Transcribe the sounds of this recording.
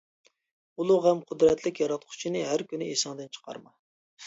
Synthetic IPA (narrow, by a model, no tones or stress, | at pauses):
ulˠuʁɛmqʰʊd̪ɾɛt̪ʰlɪkʲjɑɾɑt̪̚qʰʊ̥t͡ʃʰinɨɦæɾkʲynɪesɑŋd̪ɨnt͡ʃʰə̥qʰɑ̰ɾmɑ